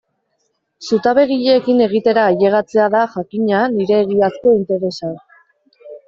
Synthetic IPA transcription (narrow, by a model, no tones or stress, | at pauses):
sut̪aβe̞ɣiʎeːkine̞ɣit̪e̞ɾaːʎe̞ɣ̞at͡se̞aðaʝakiɲaniɾe̞ːɣiasko̞int̪e̞ɾe̞sa